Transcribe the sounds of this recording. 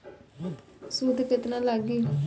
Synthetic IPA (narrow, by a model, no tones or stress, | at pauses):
sud̪kɪt̪nãːlaɡiː